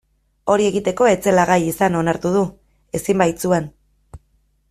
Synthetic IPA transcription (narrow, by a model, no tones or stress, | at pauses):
o̞ɾie̞ɣit̪e̞ko̞e̞t͡se̞laɣajisano̞naɾt̪uð̞u | e̞simbajt͡sue̞n